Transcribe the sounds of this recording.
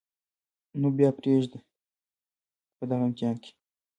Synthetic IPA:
nubjɑpɾeʐd̪i | pəd̪aɣɐɪmk̪ijɑnkʲe̥

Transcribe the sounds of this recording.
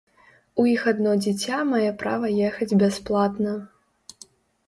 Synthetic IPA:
ujixad̪nɔd͡zʲit͡sʲamajɛpɾa̰vɐjɛxɐd͡zʲbʲasplˠat̪nɐ

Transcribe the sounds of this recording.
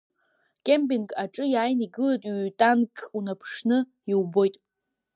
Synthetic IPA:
kʲʼembinkʼaʈ͡ʂʼɨjaːjniɡɨlajtʼɥtʼankʼʰunapʰʂnɨ | iwbo̞jtʼ

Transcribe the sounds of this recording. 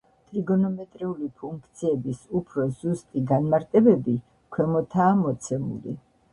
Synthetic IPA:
t̪ʼɾiɡɔnɔmɛt̪ʼɾiulipʰuŋkʰt̪sʰiɛbisupʰɾɔzust̪ʼiɡanmaɾt̪ʼɛbɛbi | kʰwɛmɔt̪ʰaːmɔt̪sʰɛmṵlḭ

